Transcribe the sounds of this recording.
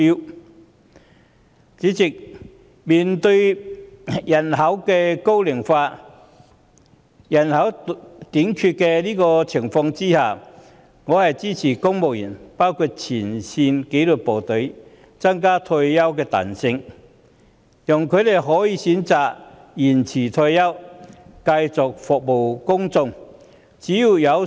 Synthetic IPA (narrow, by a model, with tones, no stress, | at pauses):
t͡siː˨˥t͡sɪ˨k̚ | miː˨˩nt̪ɵ˧ɥ | jɐ˨˩nɦɐ˨˥wkɛː˧ko˥wlɪ˨˩ŋfaː˧ | jɐ˨˩nhɐ˨˥wt̪iː˨˥ŋkʰyː˧t̚kɛː˧liː˥kɔː˧t͡sʰɪ˨˩ŋfɔː˧ŋt͡siː˥haː˨˩ | ŋɔː˨˧hɐ˨jt͡siː˥t͡sʰiː˨˩kʊ˥ŋmo˨w̚jɐ˨˩npaː˥wkʰu˧t̚t͡sʰiː˨˩nsiː˧nke˨˥jluː˨˩t̚po˨˩t̪ɵ˨˥ɥ | t͡sɐ˥ŋkaː˥t̪ʰo˧jjɐ˥wkɛː˧t̪a̰ː˨˩nsɪ˧ŋ | jʊ˨˩ŋkʰɵ˨˧t̪e˨jɦɔː˨˥jiː˨˧siː˨˥nt͡saː˨k̚jiː˨˩nt͡sʰiː˨˩t̪ʰɵ˧jjɐ˥wkɐ˧jt͡sʊ˨k̚fɔ˨k̚mo˨˩wkʊ˥ŋt͡sʊ˧ŋ | t͡siː˨˥jiː˨˧wjɐ˨˧w